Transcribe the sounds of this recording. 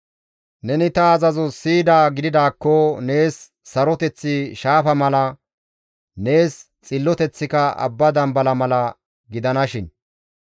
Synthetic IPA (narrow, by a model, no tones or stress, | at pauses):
nɛnɪt̪ɐːzɐzɔsiːd̪aːɡɪd̪ɪd̪aːkːɔne̞ːsː | ɐɾɔt̪ɛt͡sːɪʃaːfɐmɐlɐ | ne̞ːs | t͡sʼɪlːɔt̪ɛt͡sːɪkɐɐ̰bːɐd̪ɐmbɐlɐmɐlɐ | ɡɪd̪ɐnɐʃɪn